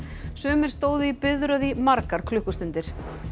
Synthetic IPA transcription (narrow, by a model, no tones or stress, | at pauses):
sʏːmɪɾ̥st̪oːwðʏipɪðɾœðimaɾkaɾ̥kʰlʏhkʏst̪ʏnt̪ɪɾ̥